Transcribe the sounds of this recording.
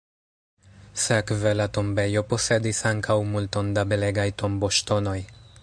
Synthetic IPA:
sekvelat̪ombe̞jo̞po̞se̞d̪isaŋkʰawmult̪o̞nd̪abe̞leɡajt̪o̞mbo̞ʃt̪o̞no̞j

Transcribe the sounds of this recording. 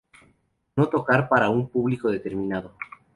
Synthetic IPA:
no̞t̪o̞kaɾpaɾaumpuβliko̞ðe̞t̪e̞ɾmĩnaðo̞

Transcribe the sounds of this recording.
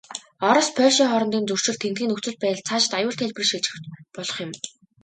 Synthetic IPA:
ɔɾɞ̆spʰœːʃiːŋχɔɾɞ̆nt̪iːnt͡sɵr̥t͡ɕɪ̆ɮt̪ʰent̪ɡiːnɵkt͡sɵ̆ɮ̚pæːt̆ɮt͡sʰaːt͡ɕɪ̥̆t̪ajʊːɮt̪ʰeɮʲprĭʃiɮt͡ɕɪɘ̆t͡ɕpɔɮɞ̆χjɪ̆m

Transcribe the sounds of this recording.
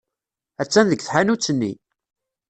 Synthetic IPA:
æt͡sːænðəɡθħanut͡sːənːḭ

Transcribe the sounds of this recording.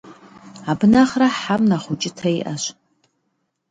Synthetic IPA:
abnaχraħamnaχʷut͡ʃʼɪtʰajʔaʃʷ

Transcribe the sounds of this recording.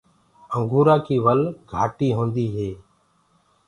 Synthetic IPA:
əŋɡʱuːɾaːkʰiːʋəlɡʱaːʈiːɦõːnd̪iːɦeː

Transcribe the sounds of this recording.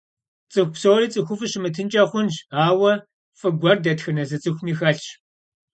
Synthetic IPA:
t͡sʼɨxʷpsowɾiːt͡sʼɨxʷʊfɨɕɪmɨtʰɨnt͡ʃʼɐχʷʊnʒaːwɐ | fɨɡʷɐrdɐtxɨnɐzɐt͡sʼɨxʷʊmiːxɐɬt͡ʃ

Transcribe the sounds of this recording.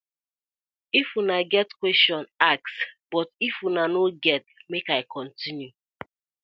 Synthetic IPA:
ifunaɡɛtkwɛstɔ̃nak̚sb̥ɔtifunanoɡɛt̚mekaɪkʰɔ̃ntinju

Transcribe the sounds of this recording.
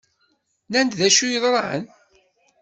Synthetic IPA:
nænd̪ðæʃujəðˤɾˤɑʕə̰n

